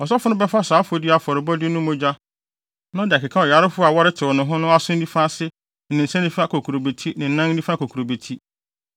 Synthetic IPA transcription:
ɔ˨s̬ɔ˦fʊ˦nʊ̃˦bɛ˦fa˦saː˨˦fo˨dɪ˦a˨fɔ˨ɾɪ˨bɔ˦dɪ˦nʊ̃˦mʊ̃˦d͡ʑa˦ | nã˦dɪ˨kɪ˨kʰa˦ɔ˨jɛ˨a˦ɾɪ˦fʊ˦a˨wa˦ɾɪ˦tʰɪ˨ɔ˨nʊ̃˨ɦʊ̃˦nʊ̃˦a˦sʊ̃˦n̩˦dĩ˦fã˦sɪ˦ | nɪ̃˨n̩˨sɛ̃˦nĩ˦fa˦kʰo˨kʰu˨ɾo˨be˨tʰi˦nɪ̃˨n̩˨nã˦n̩˦ĩ˦fã˦kʰo˨kʰu˨ɾo˨be˨tʰi˦

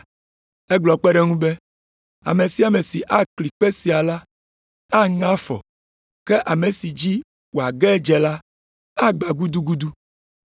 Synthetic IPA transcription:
e˦ɡ͡blɔ˨k͡pɛ˦ɖɛ˦ŋũ˦be˦ | a̰˨me˨si˨˦a˨me˨si˨ʔa˦kli˨k͡pe˦si˨a˨la˦ | a˦ŋã˦fɔ̰˨ | ke˦ʔa˨me˨si˨d͡ʑi˦ | wo˨a˨ɡɛ˦d͡ʒɛ˨la˦ | a˦ɡ͡ba˨ɡu˦d̪u˦ɡu˦d̪u˦

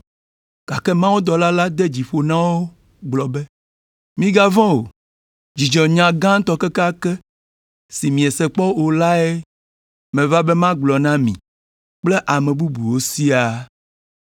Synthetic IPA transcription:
ka˨kɛ˦mã˦wo˦d̪ɔ˨la˦la˦d̪ɛ˦d͡ʑi˨ɸo˨nã˦woo˦ | ɡ͡blɔ˨bɛ˦ | mĩ˦ɡa˦vɔ̃˦wo˨ | d͡ʑi˨d͡ʒɔ˨ɲã˨ɡã˦t̪ɔ˦kɛ˦ka˦kɛ˦ | si˨mĩ˨e˨sɛ˨k͡pɔ˦o˨la˦ɛ˦ | mɛ̃˨va˦bɛ˦mã˦ɡ͡blɔ˨nã˦mḭ̃˨ | k͡ple˦ʔa˨mɛ̃˨bu˦bu˨wo˦si˦a˨

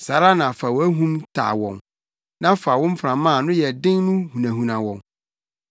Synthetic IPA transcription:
sa˨ɾa˦nã˨fa˨wɔ˨˦æ˦ɦũ˦mtʰa̰ː˨wɔ̰̃˨ŋ | nã˦fa˨wʊ̃˦m̩˦fɾã˨mã˦˨nʊ̃˦jɛ˨dɪ̃˦ŋnʊ̃˦hũ˨næ̃˨ɦũ˨nã˨wɔ̰̃˨ŋ

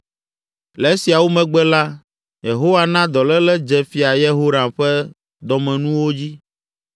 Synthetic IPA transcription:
lɛ˨˦si˨a˨wo˦mɛ̃˨ɡ͡bɛ˦la˦ | je˨ɦo˦wa˨nã˦d̪ɔ˨lɛ˦lɛ˦d͡ʒɛ˨fi˨a˨je˦ɦo˦ɾã˨ɸɛ˦ | d̪ɔ˨mɛ̃˨nũ˦wo˦d͡ʑi˦

